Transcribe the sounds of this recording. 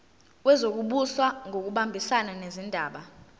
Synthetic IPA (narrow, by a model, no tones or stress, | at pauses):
wɛzok̬uɓuswaŋʱok̬uɓambʱisananezindʱaːɓa